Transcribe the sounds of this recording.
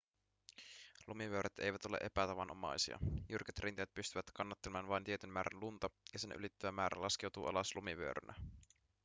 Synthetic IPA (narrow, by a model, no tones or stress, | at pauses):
lumiʋøɾʔet̪e̞̰jʋæt̪o̞lḛʔe̞pæt̪ɑʋɑnʔomɑ̰jsiɑ̰jyrket̪rʔint̪ejæt̪̚pyst̪yʋæt̪kɑnːɑt̪ːelemɑːnʋɑjnt̪iet̪ynmæːɾænlunt̪ɑjɑse̞nʔy̰lit̪ːyæmæːɾæ̰lɑsk̟e̞wt̪uːʔɑ̰lɑslumiʋø̰ɾø̰nʔæ̰